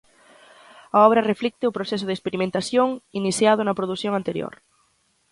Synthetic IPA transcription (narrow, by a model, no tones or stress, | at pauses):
ɐɔβɾɐreflik̚t̪ɪʊpɾoθɛsʊðespeɾimẽnt̪aθjoŋiniθjað̞ʊnɐpɾoðuθjoŋant̪eɾjo̰ɾ